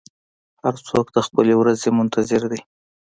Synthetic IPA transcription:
haɾt͡sokd̪əxpəlewɾazemʊnt̪ʰazɪɾd̪aj

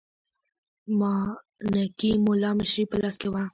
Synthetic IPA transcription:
mɑ | nakimʊlɑmɪʃɾipəlɑskewa

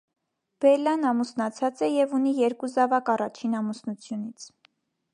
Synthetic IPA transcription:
b̥ɛlɑnɑmusnɑt͡sʰɑt͡sɛjɛvun̪ijɛɾkuzɑvɑkɑrɑt͡ʃʰinɑmusnut͡sʰjunit͡sʰ

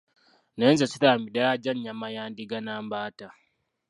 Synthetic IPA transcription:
nenzasitaːmidaɾad͡ʒaɲɲamajaːndiɡanaːmbaːta

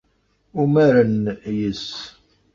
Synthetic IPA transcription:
umæɾənjəs

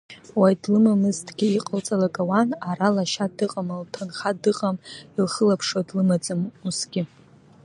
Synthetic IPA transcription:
wajdlɨmamɨztʰʼɡ̥ʲiiqʼəlt͡sʼalakʼawanaɾalaʃadɨqʼamaltʰanχadɨqʼamilχəlapʰʂodlɨmad͡zʼɨmusɡʲɪ

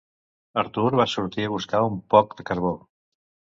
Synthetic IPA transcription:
əɾt̪uɾβasuɾt̪iəβ̞uskaumpɔk̚d̪əkəɾβo

